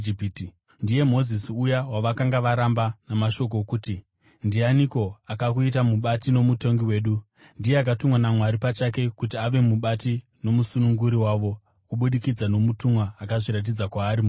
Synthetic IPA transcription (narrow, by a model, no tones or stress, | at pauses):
ipit | ndije̞mo̞zisiujawaʋakaŋɡaʋaɾambanamaʃo̞k̬o̞kuːti | ndianiko̞akakuitamuɓatino̞muto̞ŋɡiwe̞ːɗu | ndije̞ak̬atumwanamwaɾipat͡ʃak̬e̞kut̬iaʋe̞muɓati | no̞musunuŋɡuɾiwaːʋo̞ | kuɓuɗikid͡zano̞mutumwaːkaʐiɾat̬id͡zakwaːɾimu